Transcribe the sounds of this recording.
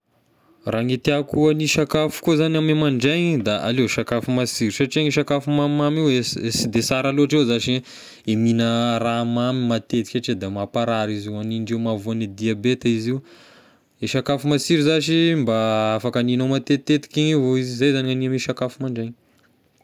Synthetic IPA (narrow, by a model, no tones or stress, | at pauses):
raŋit̪eakuəniʃakafu̥kuzanʲamemaɳɖ͡ʐeɲd̪aʔa̰leʃakafumasiɾisaʈ͡ʂiaŋiʃakafumamimamiweesid̪esaɾaloaʈ͡ʂewzaʃi | eminəramamimat̪et̪i̥kʲaʈ͡ʂed̪amapaɾaɾiziwaniɳɖ͡ʐewmavonid̪iabet̪iziw | iʃakafumasiɾizaʃimbaafakəninomat̪et̪ːet̪i̥kʲivoizizajzanianiamiʃakafumaɳɖ͡ʐeɲ